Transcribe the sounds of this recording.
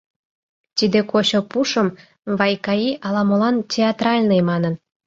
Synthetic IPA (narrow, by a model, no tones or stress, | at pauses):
t̪id̪ekot͡ɕopuʃəm | βɑjkɑiʔɑlɑmolɑntʲeɑt̪rɑlʲnemɑnən